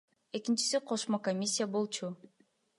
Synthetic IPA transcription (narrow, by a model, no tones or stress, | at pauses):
e̞kint͡ʃi̥siqʰo̞ʃmokomʲisʲːijabo̞lˠt͡ʃu